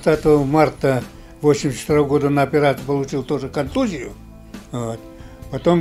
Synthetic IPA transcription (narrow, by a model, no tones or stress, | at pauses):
t̪at̪əʋəmart̪ə | vosʲɪmʲsʲt͡ʃt̪ɾoʋɡod̪ənəɐpʲɪɾat̪ɨpəlˠʊt͡ɕilˠt̪oʐəkɐnt̪uzʲɪjʊ | vot̪pɐt̪om